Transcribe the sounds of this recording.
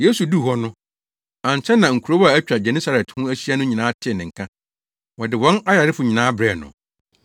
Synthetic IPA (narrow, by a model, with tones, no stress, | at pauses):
je˦su˨du˦˨ɦɔ˦nʊ̃˦ | ã˨ɲ˨t͡ɕʰɛ̃˦nã˨ŋ̩˨kʰu˨ɾo˦wa˨æ˦t͡ɕᶣa˨d͡ʑɛ˨nĩ˦sa˦ɾɛ˨thʊ̃˦æ˦ɕi˦a˦nʊ̃˦ɲĩ˨nãː˦tʰɪ˦ɛ˨nɪ̃˨ŋ̩˨kʰã˦ | wɔ˨dɪ˨wɔ̃˦na˦ja˨ɾɪ˦fʊ˨ɲĩ˨nãː˦bɾɛ˨nʊ̰̃˨